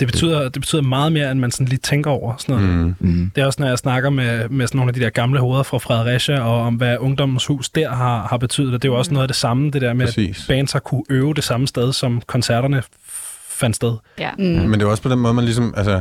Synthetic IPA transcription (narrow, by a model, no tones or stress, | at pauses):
d̥e̝b̥e̝t͡sʰy̰ð̰ˠɐd̥eb̥e̝̥t͡sʰy̰ð̰ˠɐmɑ̈ːð̞̩ˠme̝ːɐenmænsɒ̽n̩liːt͡sʰeŋɡ̥ɐɒʊ̰ɐsɒnɔ̽ð̩ˠd̥e̝æɒ̽snɒ̽jɑ̈ɪsnɑ̈ɡ̥ɐmemesɒnːoːnædid̥eɐ̰ɡ̥ɑ̈mləho̝ːð̞ˠɐfʁɑ̈fʁɛð̩ˠʁæɕæɒ̽ːmʋæʔɔ̽ŋd̥ɒ̽m̰n̩shṵːsd̥æɐ̰ɦɑ̈hɑ̈b̥e̝t͡sʰy̰ð̩ˠɒd̥e̝joɒ̽snɔ̽ːðˠd̥e̝sɑ̈md̥e̝ɾ̥æɐ̰meḭːbɛ̰ːnsɑ̈kʰuʔøːʊd̥e̝sɑ̈məsd̥eð̞ˠsɒ̽mkʰɒ̽nsæɐɾ̥ɐnə | fæn̰d̥sd̥eð̞ˠmend̥e̝aɒ̽spʰd̥enmɔ̽ːð̞ˠmænlis̬ɒmælsə